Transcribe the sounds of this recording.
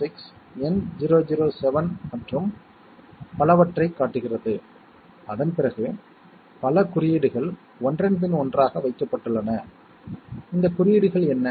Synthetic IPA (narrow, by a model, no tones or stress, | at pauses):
ɪks | ɛnd͡ʒiɾoːd͡ʒɪɾoːsɛʋɐnmɐʈrɯm | pɐlɐʋɐʈrɐɪkːaːʈːɯɣɪrɐðɯ | ɐðɐnpɪɾɐɣɯ | pɐlɐkʊɾɪjɪɽɯɣɐɭ | ɔndrɐnðɪnɔndraːɣɐʋɐɪkːɐpːɐʈːɯɭːɐnɐ | ɪnd̪ɐkʊɾɪjɪɽɯɣɐɭɛnːɐ